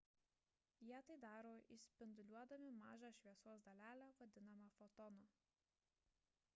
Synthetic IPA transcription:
jiɛt̪ɐɪd̪ɑːɾoːʔɪsʲpʲɪnd̪ʊlʲuɔd̪ɐmʲɪmɑːʒɑʃʲʋʲiɛsuɔsd̪ɐlʲæːlʲæʋɐd̪ʲɪnɐmɐfɔt̪ɔno

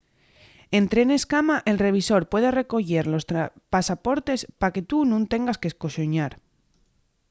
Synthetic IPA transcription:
e̞nt̪ɾe̞ne̞skamaʔe̞lre̞β̞iso̞ɾpwe̞ðe̞re̞ko̞ʝe̞ɾlo̞st̪ɾpasapo̞ɾt̪e̞spake̞t̪unũnt̪e̞ŋɡaskesko̞ʃoɲaɾ

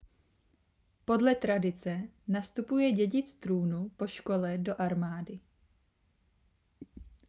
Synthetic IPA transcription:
po̞dlɛt̪ɾadɪt͡sɛ | nast̪upujɛɟɛɟɪt͡st̪ɾuːnupo̞ʃko̞lɛdo̞ʔaɾmaːdɪ

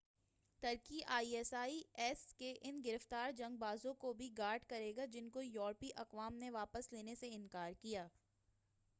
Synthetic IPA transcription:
t̪ɐɾkiʔaːiɛːsaːiɛːskeʔɪnɡɪɾəft̪aːɾd͡ʒɐ̃ŋɡ̚baːzõkobʱiɡaːɾɖkɐɾeːɡad͡ʒɪnkojɔːɾpiʔɐqʋaːmneʋaːpəsleːneseɪnkaːɾkijaː

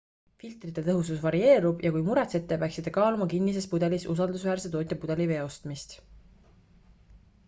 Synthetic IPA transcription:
filt̪ˑrit̪ːˑe̞t̪ɤɦususvɑɾie̞ːɾub̥jɑkujmuɾet̪se̞t̪ːˑepæːˑksit̪ːˑekɑːlumɑkinːis̬e̞spud̪̥e̞lisusɑld̪usvæːrse̞t̪o̞ːt̪ʲːˑepud̪̥e̞live̞ːo̞st̪mist̪

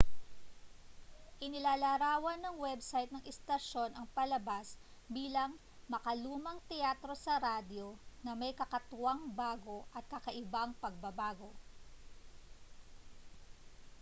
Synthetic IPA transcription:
ʔɪnɪlaːlaːɾaːwɐnːɐŋwɛbsajt̪nɐŋʔɛst̪ɐʃo̞nɐŋpɐlɐbasbiːlɐŋ | mɐkɐluːmɐŋt̪ɛjaːt̪ɾo̞sɐɾaːd̪jo̞nɐmɐjkɐkɐt̪ʊaŋbaːɡo̞ʔɐt̪̚kɐkɐʔɪbaŋpɐɡ̚bɐbaːɡo̞

